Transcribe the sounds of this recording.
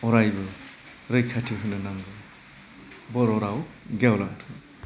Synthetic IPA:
ɔɾajbɯ | ɾɯjkʰatʰiɦɯjnɯnaŋɡɯ | bɔɾɔɾawɡawla̰tʰɯ

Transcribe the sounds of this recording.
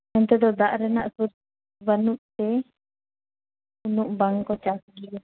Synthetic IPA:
ɛnt̪ɛd̪ɔd̪aʔɾɛnaʔsuɾ | banuʔt̪ɛ | unuʔbaŋkɔt͡ʃasɡiʔɛ

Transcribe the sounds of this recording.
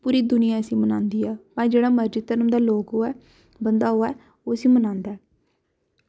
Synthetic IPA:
puːɾiːd̪ʊnɪjaːəsĩːmənãːnd̪iːɛːp̪ãd͡ʒeːɽaːməɾd͡ʒɪt̪əɾəmd̪aːloːkɦoːɛː | bənd̪aːɦoːaː | oːsĩːmənãːnd̪aɛː

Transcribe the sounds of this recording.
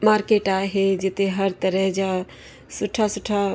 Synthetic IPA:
maːɾkeːʈaɦed͡ʒɪt̪eɦəɾt̪əɾɛɦd͡ʒa | sʊʈʰːasʊʈʰːa

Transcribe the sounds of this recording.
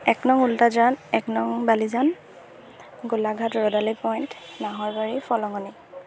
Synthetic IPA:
ɛknɔŋultazanɛknɔŋbalizan | ɡulaɡʱatɹɔdalipɔjntnaɦɔɹbaɹifʰɔlɔŋɔni

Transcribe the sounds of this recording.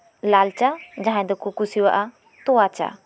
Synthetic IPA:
laːlt͡ʃad͡ʑãɦãd̪ɔkukusia̰ʔa | t̪uat͡ʃa̰

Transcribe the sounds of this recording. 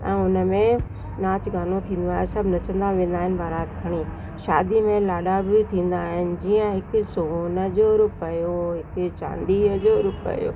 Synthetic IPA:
ɛ̰̃ːʊnəmẽ | naːt͡ɕɡaːnot̪ʰĩːnd̪oaːjsɐbʱnɐt͡ɕə̃n̆d̪aʋẽːn̆d̪aːɦɪnɪ̆bʱaːɾaːt̪kʰɐɽ̃iː | ʃaːd̪imẽlaːɗabɪt̪ʰĩːn̆d̪aːɦɪnɪ̆d͡ʑiːə̃ɦɪkʊ̆sonə̆d͡ʑoːɾʊpəjoɦɪkʊt͡ɕã̰ːnd̪iəd͡ʑoːɾʊpə̰jo̰ː

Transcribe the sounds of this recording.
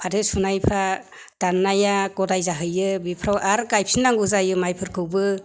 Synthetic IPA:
pʰadɯsunajpʰɾa | d̥anːajakɔdajzaɦɯjɯbipʰɾawʔaɾkajp̚ʰsinːaŋɡuzajɯmajpʰɯɾkʰɯwbɯ

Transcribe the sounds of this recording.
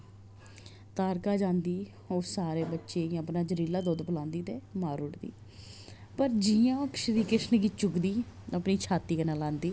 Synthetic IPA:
t̪aːɾkaːd͡ʒãːnd̪iː | oːsaːɾeːbətːʃeːəpnaːd͡ʒəɾiːlaːd̪oːd̪pəlãːnd̪iːt̪eːmaːɾʊʈd̪ḭː | pəɾd͡ʒijãːkʃɾiːkɪʃnəɡiːt͡ʃʊkd̪iːəpniːt͡ʃʰaːt̪iːkənãːlãːnd̪iː

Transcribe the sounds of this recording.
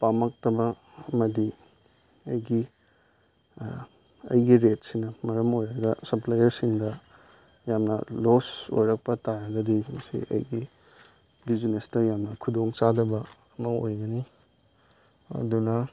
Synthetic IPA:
pamɐk̚tɐbɐ | ɐmɐdi | ɐjɡi | ɐ̰jɡiɾetsinɐmɐɾɐmojɾɐɡɐsɐplajɐɾsiŋdɐ | jamnɐ̰loso̰jɾɐk̚pɐtaɾɐɡɐdimɐsḭʔɐ̰jɡi | bizinestɐjamnɐkʰudoŋt͡ʃadɐbɐɐmɐojɡɐni | ɐ̰dunɐ

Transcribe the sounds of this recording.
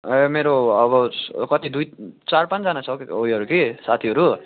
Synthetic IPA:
emeɾoʌβʌkʌt̪id̪ujt͡sarpãnt͡sd͡zanat͡sʰʌojʌɾukisat̪ʰiʌɾu

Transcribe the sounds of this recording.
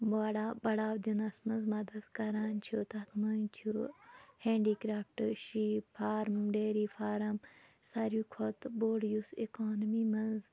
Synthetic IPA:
baːɽaːbɐɽaːwd̪inɐsmɐnzmɐd̪ɐd̪kɐɾaːnt͡ʃʰut̪ɐt̪ʰmɐnt͡ʃʰuhẽːɳɖikɾaːpʈʃiːfʰaːɾɖeːɾiːfʰaːɾɐmsɐɾjuːkʰot̪boːɽijusikoːnɐmimɐnz

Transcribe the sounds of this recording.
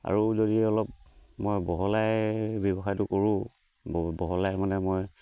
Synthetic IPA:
a̰ɹuzodiɛɔlɔp̚mojbɔɦɔlajbɛbɔxajtʊkoɹʊ̃ | bɔɦɔlajmanɛmoj

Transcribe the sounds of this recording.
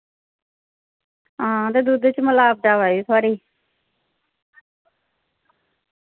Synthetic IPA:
ɦãːt̪eːd̪uːd̪t͡ʃməlaːp̚ɖaːʋaːjuːt̪ʰaːɾiː

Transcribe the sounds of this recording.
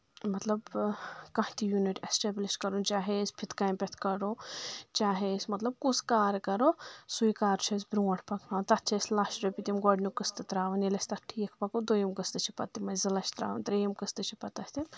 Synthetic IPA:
mɐt̪lɐbkɐ̃hit̪ʰijuniʈesʈeːbliʃkɐɾunt͡ʃaːɦespʰit̪kajmpʲɐt̪ʰkɐɾot͡ʃaːɦesmɐt̪lɐb̚kuskaːɾkɐɾosujkaːɾt͡ʃʰɐsbɾuːɐʈʰpɐkʰnãːt̪ɐt̪t͡ʃʰɐslaːʃɾɐpit̪imɡɔɖnukɨst̪ɨt̪ɾaːʋɐnelɐst̪ɐʈʰːijɐkʰpɐkod̪ojimkɨst̪ɨt͡ʃʰi̥pɐt̪ːimɐzɨlɐt͡ʃʰt̪ɾa̰ːʋɐnt̪ɾeːjimkɨst̪ɨt͡ʃʰipɐt̪ɐsʲt̪ʰi

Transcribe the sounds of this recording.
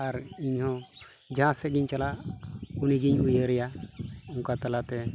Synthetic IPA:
aɾiɲhɔ̃ | d͡ʒʱãsɛɡiɲt͡ʃalaʔuniɡiɲujəɾɛjauŋkat̪alat̪ɛ

